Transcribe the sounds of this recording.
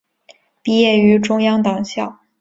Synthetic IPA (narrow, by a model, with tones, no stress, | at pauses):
pi˥jɛ˥˩y˧˥ʈ͡ʂʊ˥ŋjɑ˥ŋt̪ɑ˨˩ŋɕjɑ˥˩ʊ